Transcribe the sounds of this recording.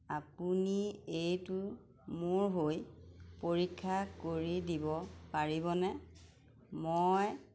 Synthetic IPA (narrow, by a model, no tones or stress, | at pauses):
ap̚uniejtʊ | mʊɹɦojpoɹikʰːakoɹidibɔpaɹibɔnɛ | moj